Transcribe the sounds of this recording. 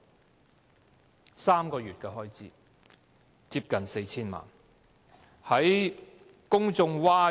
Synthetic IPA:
saː˥mkɔː˧jyː˨t̚kɛː˧ɦɔː˥jt͡siː˨˦ | t͡siː˧p̚kɐ˨nse˧jt͡sʰiː˥nma̰ː˨˩n | hɐ˨˥j | kʊ˥ŋt͡sʊ˧ŋwaː˥

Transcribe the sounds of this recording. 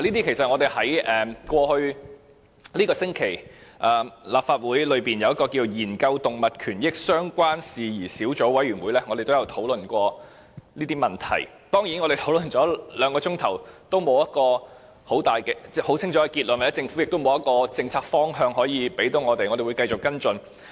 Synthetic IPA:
la˨˩liː˥t̪i˥kʰe˨˩jsɐ˨t̚ŋɔː˨˧t̪e˨˩jhɐ˨˥jɛː˨kʷɔː˧hɵ˧ɥ | liː˥kɔː˧sɪ˥ŋkʰe˨˩jʔɐː˨laː˨p̚faː˧t̚wuː˨˥jlɵ˨˧ɥpiː˨˩njɐ˨˧wjɐ˥tkɔː˧kiː˧˨˧jiː˨˩nkɐ˧wt̪ʊ˨ŋmɐ˨t̚kʰyː˨˩njɪ˥k̚sœː˥ŋkʷwaː˥nsiː˨jiː˨˩siː˨˥wt͡so˨˥wɐ˨˥jɥyː˨˩nwuː˨˧jlɛː˥ŋ˨˧ɾe˨jt̪o˥wjɐ˨˧wt̪ʰo˨˥wlɵ˨nkʷɔː˧ | liː˥t̪iː˥mɐ˨˩nt̪ʰɐ̰˨˩j | t̪ɔː˥ŋji˨˥nɔ˨˧ɾe˨jt̪ʰo˨˥wlɵ˨˩nt͡ʃɔː˨˥lœː˨˧ŋkɔː˧t͡sʊ˥ŋt̪ʰɐ˨˩wt̪o˥wmo˨˧wjɐ˥t̚kɔː˧ | ho˨˥wt̪aː˨jkɛː˧t͡sɛ˥ho˨˥wt͡sʰɪ˥ŋt͡ʃʰɔ˨˥ɛ˧˩kiː˧t̚lnmɐ˨˩jɐ˥t͡sɪ˧ŋfu˨˥jɪ˨k̚t̪o˥wmo˨˧wjɐ˥t̚kɔː˧t͡sɪ˧ŋt͡sʰaː˧k̚fɔː˥ŋɦœː˧ŋɦɔː˨˥jiː˧pe˨˥jt̪o˨˥wŋɔː˨˧t̪e˨jŋɔ˨˧ɾe˨˩jwu˨˧jkɐ˧jt͡sʊ˨kːɐ˥nt͡sɵ˧n

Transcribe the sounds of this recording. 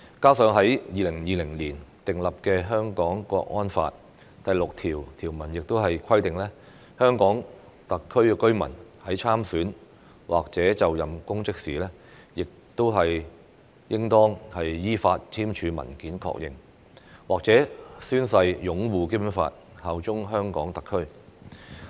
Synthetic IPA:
kaː˥wsœː˨˧ŋɦɐ˨˥jjiː˨˧lɪ˨˩ŋjiː˨˧lɪ˨˩ŋliː˨˩nt̪ɪ˨ŋlɐ˨p̚kɛː˧ɦœː˥ŋkɔː˨˥ŋkʷɔ̰ː˧k̚ŋɔː˥nfa̰ː˧t̚ | t̪ɐ˨jlʊ˨k̚t̪ʰiː˨˩wt̪ʰiː˨˩wmɐ˨˩njɪ˨k̚t̪o˥wɦɐ˨jkʰɐ˥jt̪ɪ˨ŋlɛː˥ | hœː˥ŋkɔː˨˥ŋ | t̪ɐ˨kʰɵ˥ɥɛ˧kɵ˥ɥmɐ̰˨˩nhɐ˨˥jt͡sʰaː˥msyː˨˥n | wʔaː˨k̚t͡sɛː˨˥t͡sɐ˨wjɐ˨mkʊ˥ŋt͡sɪ˥k̚siː˨˩lɛː˥ | jɪ˨k̚t̪o˥wɦɐ˨j | jɪ˥ŋt̪ɔː˥ŋhɐ˨jjiː˥faː˧t̚t͡sʰiː˥mt͡ʃʰyː˨˧mɐ̰˨˩nkiː˨˥nkʰɔ̰ː˧k̚jɪ̰˨ŋ | waː˨k̚t͡sɛː˨˥syː˥nsɐ˧jjʊ˨˥ŋwuː˨˧keː˥pnfa̰ː˧t̚ | hɐ˨wt͡ʃʊ˥ŋɦœː˥ŋkɔ̰ː˨˥ŋt̪ɐ˨kʰːɵ˥ɥ

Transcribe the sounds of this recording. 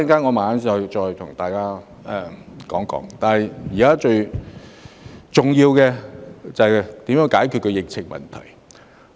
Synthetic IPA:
ɐ˧ŋkaː˥nŋɔ˨˧maː˨˩aː˨˥nsɐ˨˧jt͡ʃɔː˧jt̪ʰʊ˨˩ŋt̪aː˨jkaː˥ | ɛ˨˧kɔː˨˥ŋkɔ̰ː˨˥ŋt̪aː˨nɐ˨jjiː˨˩kaː˥t͡ʃɵ˧ɥ | t͡sʊ˨ŋjiː˧wkɛ˧t͡sɐ˨t̪i˨˥mjœː˧˥ŋkaː˨˥jkʰy˨t̚kʰɵ˧ɥjɪ˨k̚t͡sʰɪ˨˩ŋmɐ̰˨˩nt̪ʰɐ̰˨˩j

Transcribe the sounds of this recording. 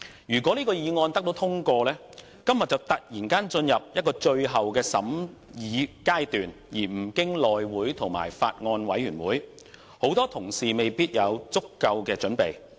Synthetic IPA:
jyː˨˩kʷwɔː˨˥liː˥kɔː˧jiː˨˧ŋɔː˧nt̪ɐ˥k̚t̪o˨˥wt̪ʰʊ˥ŋkʷɔː˧lɛː˥ | kɐ˥mjɐ˨t̚t͡sɐ˨˩wt̪ɐ˨k̚jiː˨˩nkaː˥nt͡ʃɵ˧njɐ˨p̚jɐ˥t̚kɔː˧t͡ʃɵ˧ɥɦɐ˨wkɛː˧sɐ̰˨˥mjiː˨˧kaː˥jt̪yː˨n | jiː˨˩m̩˨˩kɪ˥ŋlɔː˨jwuː˨˥jt̪ʰʊ˨˩ŋma̰ː˨˩jfaː˧t̚ŋɔː˧nwɐ˨˥jːyː˨˩nwuː˨˥j | ho˨˥wt̪ɔː˥t̪ʰʊ˨˩ŋsiː˨me˨jpiː˥t̚jɐ˨˧wt͡sʊ˥kːɐ˧wkɛː˧t͡ʃɵ˨˥npe˨j

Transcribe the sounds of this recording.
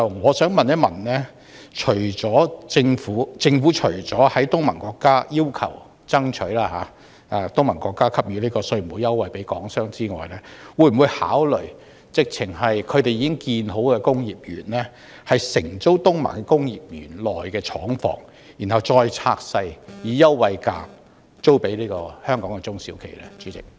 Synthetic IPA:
ɐ˨ŋɔː˨˧sœː˨˥ŋmɐ˨njɐ˥t̚mɐ̰˨˩nlɛː˥ | t͡ʃʰɵ˨˩ɥt͡ʃɔː˨˥t͡sɪ˧ŋfuː˨˥t͡sɪ˧ŋfuː˨˥t͡ʃʰɵ˨˩ɥt͡sɔː˨˥hɐ˨˥jt̪ʊ˥ŋmɐ˨˩nkɔː˧kːaː˥jiː˥wkʰɐ̰˨˩w | t͡sɐ˥ŋt͡ʃʰɵ˨˥ɥlaː˥ɦaː˨˧˦ | aː˨˧t̪ʊ˥ŋmɐ˨˩nkɔː˧kːaː˥kʰɐ˥p̚jyː˨˧liː˥kɔː˧sɵ˧m˨˩wuː˨˧jɐ˥wːɐ˨˩jpe˨˥jkɔː˨˥ŋsœː˥ŋt͡siː˥ŋɔ̰ː˨jlɛː˥wuː˧jm̩˨wuː˨˧jha̰ː˨˥wlɵ˨˩ɥ | t͡sɪ˨k̚t͡sʰɪ˨˩ŋɦɐ˨jkʰɵ˨˧t̪e˨jiː˨˧kɪ˥ŋkiː˧nɦo˨˥wkɛː˧kʊ˥ŋjiː˨p̚jy̰ː˨˩nlɛ˥ | hɐ˨jsɪ˨˩ŋt͡so˥wt̪ʊ˥ŋmɐ̰˨˩nkɛː˧kʊ˥ŋjiː˨p̚jy̰ː˨˩nlɔː˨jkɛː˧t͡ʃʰɔː˨˥ŋfɔ̰ː˨˩ŋ | ji˨˩nhɐ˨wt͡ʃɔː˧jt͡sʰaː˧k̚sɐ˧jjiː˨˧jɐ˥wːɐ˨jka̰ː˧m | t͡so˥wpe˨˥jliː˥kɔː˧hœː˥ŋkɔː˨˥ŋkɛ˧t͡sʊ˥ŋsiː˨˥wkʰe˨˩jlɛ̰˦˥t͡ʃy˨˥t͡sɪ̰˨k̚

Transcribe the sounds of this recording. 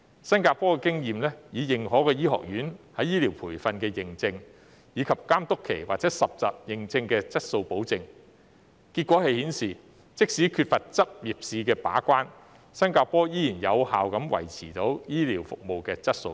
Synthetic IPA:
sɐ˥nkaː˧pɔː˥kɛː˧kɪ˥ŋjiː˨mlɛː˥jiː˨˧jɪ˨˩ŋhɔː˨˥kɛː˧jiː˥hɔ̰ː˨˩k̚jyː˨˥nhɐ˨˥jiː˥liː˨˩wpʰuː˨˩jfɐ˧nkɛː˧jɪ˨ŋt͡sɪ˧ŋ | jiː˨˧kʰɐ˨p̚kaː˥mt̪ʊ˥kʰːe˨˩jwa̰˨k̚t͡sɛː˨˦˥sɐ˨p̚t͡sɐ̰˨p̚jɪ˨˩ŋt͡sɪ˧ŋkɛː˧t͡sɐ˥t̚so˧wpo˨˥wt͡sɪ˧ŋ | ki˧t̚kʷɔː˨˥hɐ˨jhiː˨˥nsiː˨˩ | t͡sɪ˥k̚si˨˥kʰyː˧t̚fɐ˨t̚t͡sɐ˥p̚ji˨˩p̚siː˨˧kɛː˧pa̰ː˨˥kʷaː˥n | sɐ˥nkaː˧pɔː˥jiː˥jiː˨˩njɐ˨˧whaː˨wkɐ˨˥mwɐ̰˨˩jt͡sʰiː˨˩t̪o˨˥wjiː˥liː˨˩wfʊ˨k̚mo˨wkɛː˧t͡sɐ˥t̚so̰˧w

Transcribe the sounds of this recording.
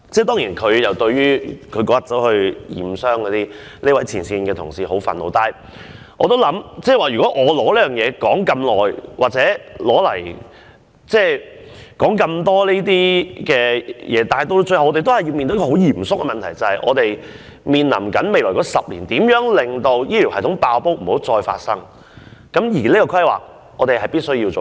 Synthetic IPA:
t͡sɛː˥˩t̪ɔː˥ŋjiː˨˩nkʰɵ˨˧ɥjɐ˨wt̪ɵ˧ɥɥyː˥kʰɵ˨˧ɥkɔː˧˥jɐ˥t͡sɐ˨˥whɵ˧ɥjḭː˨˩msœː˥ŋkɔː˨˥t̪iː˥ | neː˥wɐ˨˥jt͡sʰiː˨˩nsiː˧nkɛː˧t̪ʰʊ˨˩ŋsiː˨ɦo˨˥wfɐ̰˨nlo̰˨˧wt̪aː˨j | ʔɔː˧t̪o˥wlɐ˨˥mt͡sɛː˥˩waː˨ɥyː˨˩kɔ˨˦˥ʔɔː˨˧lɔː˨˥liː˥jœː˨ŋjɛː˨˧kɔː˨˥ŋkɐ˧mlɔː˨jwaː˨k̚t͡sɛː˨˥lɔː˨˥lɐ˨˩j | t͡sɛː˥˩ | kɔː˨˥ŋkɐ˧mt̪ɔː˥liː˥t̪iː˥kɛː˧jɛː˨˧t̪aː˨hɐ˨jt̪o˥wt͡sɵ˧hwɔː˨˧e˨t̪̬hɐ˨ji˧wmi˨nt̪o˧˥kɔ˧ho˨˥wjiː˨˩msʊ˥kːɛ˧mɐ˨nt̪ʰɐ˨˩jt͡sɐ˨˧hɐ˨jʔɔ̰ː˨˧t̪e˨j | miː˨˧nlɐ̰˨˩mkɐ˨˥nme˨jlɔː˨˩kɔː˨˥sɐ˨p̚lḭː˨˩nt̪iː˨˥mjœː˨˥ŋlɪ˨ŋt̪o˧wjiː˥lʰi˨˩whɐ˨˩jt̪ʰʊ˨˥ŋpaː˧wpo˥wm̩˨˩ho˨˥wt͡sɔː˧jfa̰ː˧t̚sɐ˥ŋ | kɐ˨˥mjiː˨˩liː˥kɔ˧kʰɐ˥jwa̰ː˨˩k̚ | ɔː˨˧t̪e˨jhɐ˨jpiː˥t̚sɵ˥ɥjiː˧wt͡so˨

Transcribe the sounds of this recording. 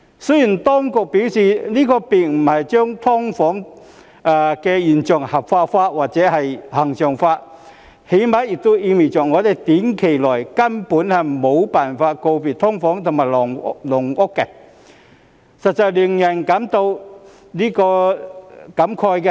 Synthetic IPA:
sə˥ji˨˩nt̪ɔː˥ŋkʊ˨k̚piː˨˥wsiː˨˩liː˥kɔː˧pi˨˩t̚m̩˨˩hɐ˨jt͡ɕœː˥ŋt̪ʰɔ˥ŋfɔː˨˥ŋ | ʔaː˨˩kɛ˧jiː˨˩nt͡sʊ˨˩ŋhɐ˨˩p̚faː˧tfaː˧t̚waː˨˩t̚t͡sɛː˨˦˥hɐ˨jhɐ˨˩ŋsœː˨˩ŋfaː˧˥t̚ | he˨˥jmaː˨˥jjɪ˨˩k̚t̪o˥wʔiː˧mi˨˩t͡ɕɔː˨˩ŋɔː˨˧t̪e˨jt̪iː˨˥nkʰe˨˩jlɔː˨˩jkɐ˥mpuː˨˥nhɐ˨˩jmo˨˧wpaː˨˩nfaː˧t̚ko˧wpiː˨˩t̚t̪ʰɔ˥ŋfɔː˨˥ŋt̪ʰʊ˨˩ŋmaː˨˩jlɔ˨˩ŋlʊ˨˩ŋʔʊ˥kːɛ˧ | sɐ˨t̚t͡sɐ˨jliː˨˩ŋjɐ˨˩nkɐ˨˥mt̪o˧w | liː˥kɔː˧ | kɐ˨˥mkʰɔː˧jkɛ˧

